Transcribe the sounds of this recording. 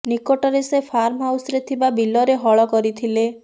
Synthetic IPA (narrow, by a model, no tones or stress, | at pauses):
nikoʈɔɾesepʰaɾmɦawsɔɾet̪ʰibabilɔɾeɦɔɭɔkɔɾit̪ʰile